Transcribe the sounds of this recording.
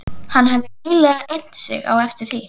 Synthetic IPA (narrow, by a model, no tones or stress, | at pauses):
hanːɦɛvðɪiːlɛɣaʔen̥t̪sɪ̰ɣa̰wɛft̪ɪɾ̥θi